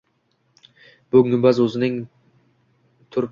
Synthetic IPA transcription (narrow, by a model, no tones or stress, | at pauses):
bɵŋɪmbazɵzɪnɪŋ | t̪ʰʊɾ